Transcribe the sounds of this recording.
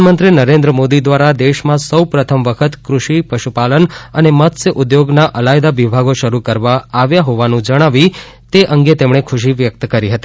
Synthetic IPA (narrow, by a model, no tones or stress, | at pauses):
nmənt̪ɾinəɾẽnd̪ɾəmod̪id̪ʋaɾad̪eʃmãsəwpɾət̪ʰəmʋəkʰət̪kɾuʃipəʃupalənənemət̪sʔʊd̪joɡnaʔəlajd̪aʋibʱaɡoʃəɾukəɾʋaːʋjaɦɔʋanũd͡ʒəɽ̃aʋi | t̪eʔəŋɡet̪emɳ̃ekʰʊʃ̬iʋjək̚t̪kəɾiɦət̪i